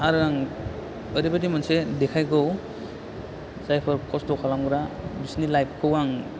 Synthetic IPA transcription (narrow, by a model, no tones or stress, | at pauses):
aɾaŋ | əɾibadimansedekʰajkɔw | zajpʰɔɾkʰɔstɔkʰalamɡɯɾabisnilajp̚ʰkʰɯwaŋ